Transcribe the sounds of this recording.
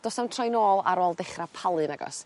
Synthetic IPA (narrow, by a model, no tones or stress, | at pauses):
d̥ɔːsamntʰrɔjnoːlˠa̰ɾoːlˠdɛχrapʰalˠɨnaɡɔ̰s